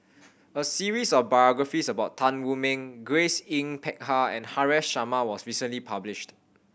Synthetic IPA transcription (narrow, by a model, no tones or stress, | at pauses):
əsiɹisɔfbajɔɡɹafisəbaʊttʰãnwumɛ̃ŋɡɹesĩŋpʰɛk̚haɛ̰̃nhaɹɛsʃamawɔsɹisə̃nlipʰablɪʃt